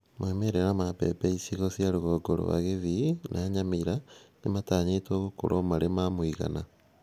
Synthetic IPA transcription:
mwemeɾeɾamapḛpeisiɣosjaɾoɣoɡoɾo̰wa̰ɣeðinʔaːɲamiɾanemataːɲetoːɣoko̰ɾʔomaɾemamwiɣa̰na

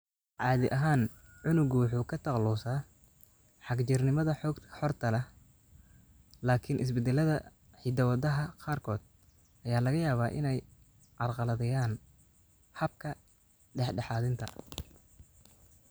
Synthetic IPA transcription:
ʕɑːðɪʔɐɦaːnʕʊnʊɡʊwɑħuːkʰɐt̪ʰɑqlɔːsaː | ħɑɡt͡ʃɪrnɪmɐðɐħɔħɔrt̪ʰɐlɛ | laːkʰɪnʔɪs̬bɛd̪ɛlɐðɐ | ħid̪ɐwɑðɐɦɐqɑːrkʰɔːd̪̥̚ | ʔɐjaːlɐɣɐjaːβaːʔɪ̰nɛj | ʕɑrqɑlɐðɐjaːn | hɐb̚kʰɐ | ɖɛħɖɑħɑːðɪnt̪ʰɐ̰

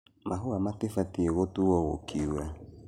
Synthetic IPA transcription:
mʔaɦuamatefatieɣotuwɔwo̰kʰiuɾa

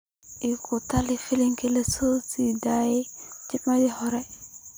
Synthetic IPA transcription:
ikʰutalifiliŋkilesosidajid͡ʒimadihoɾe

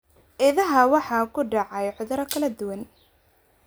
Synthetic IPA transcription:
ʔɪðɐɦɐwɑħɑːkʰʊɖɑʕɑjʕʊðɐɾɐkʰɐlɐd̪ʊwɐn

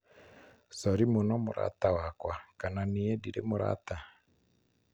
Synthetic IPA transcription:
sɔɾimonɔmʊ̰ɾa̰tawakwakananiediɾemʊɾa̰ta

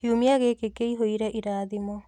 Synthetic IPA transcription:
hiumiaɣekekeiɦoiɾɛʔiɾaːðimɔ

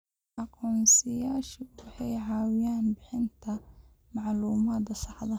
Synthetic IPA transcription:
ʔɑqʰɔːnsɪjaːʃɪwɑħɑjʕɑːwɪjaːnbɪħɪnt̪ʰɐ | mɑʕluːmaːd̪ɐsɑħd̪ɐ

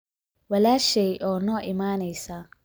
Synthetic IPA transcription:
wɛlaʃejʔɔnɔʔimanesa

